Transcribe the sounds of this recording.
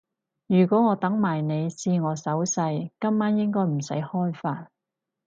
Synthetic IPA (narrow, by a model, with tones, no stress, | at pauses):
jyː˨˩kʷɔː˨˥ŋɔː˨˧t̪ɐ˨˥ŋmaː˨˩jne˨˧jsiː˧ŋɔː˨˧sɐ˨˥wsɐ˧jkɐ˥mːaː˥njɪ˥ŋkɔː˥jm̩˨˩sɐ̰˨˥jhɔː˥jfaː˧t̚